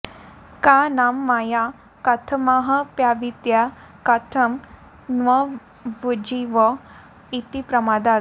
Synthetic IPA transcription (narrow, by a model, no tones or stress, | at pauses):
kanamːaja | kɐt̪ʰəmaɦɐpjaʋit̪ja | kat̪ʰəm | nʋɐ | ʋud͡ʑiʋɔ | it̪ipɾɐmad̪a